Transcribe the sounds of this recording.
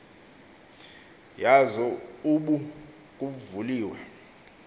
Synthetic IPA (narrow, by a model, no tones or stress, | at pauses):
jazɔuɓu | kʼuvuliːwa